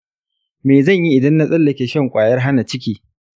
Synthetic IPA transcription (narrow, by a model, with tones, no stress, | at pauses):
meː˨zɐ˦˨ɲji˦ʔɪ˨dɐ˦nːa˦sʼɐ˦lːɐ˨kʲeː˨ʃɐ˦˨ŋkʷʼaː˨jɐ˦rɦa˦na˨t͡ʃɪ˦kʲiː˨